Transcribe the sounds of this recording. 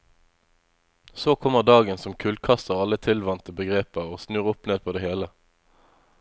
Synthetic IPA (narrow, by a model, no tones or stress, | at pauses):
soːkʰɔməʁd̪ɑːɡənsɔmkʰʉlkʰɑst̪əʁɑlət̪ʰɪlʋɑnt̪əbəɡʁeːpəʁoːsnʉːʁʊpneːd̪̚pʰoːd̪eːheːlə